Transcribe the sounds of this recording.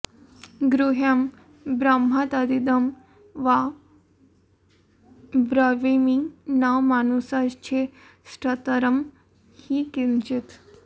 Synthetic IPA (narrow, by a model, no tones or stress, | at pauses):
ɡɾuɦam | bɾamɦat̪ad̪id̪əm | ʋa | bɾəʋeminaʋmanusast͡ɕʰe | sʈət̪əɾəm | hikint͡ʃit̪